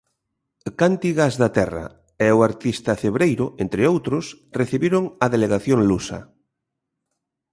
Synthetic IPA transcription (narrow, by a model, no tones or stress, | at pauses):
kant̪iɣazðat̪ɛra̰ | ɛoaɾt̪ist̪afeβɾejɾʊent̪ɾeowt̪ɾʊs | reθiβiɾoŋaðeleɣaθjoŋlusa̰